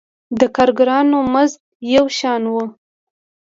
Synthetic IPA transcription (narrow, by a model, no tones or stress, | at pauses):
d̪əkɑɾɡɾɑnomazt̪jawʃɑnwu